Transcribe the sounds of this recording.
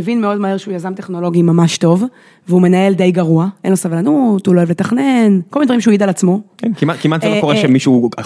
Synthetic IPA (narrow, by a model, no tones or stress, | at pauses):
evinmeo̞dmaheʁʃeujazamt̪e̞χno̞lo̞ɡimamaʃto̞v | veume̞nae̞ld̪ejɡaʁuaʔenlosavlanut̪huloevle̞taχnenkolmindvaʁimʃ̬euid̪alat͡smo̞kenkimakimat̪zelokoʁeʃemiʃu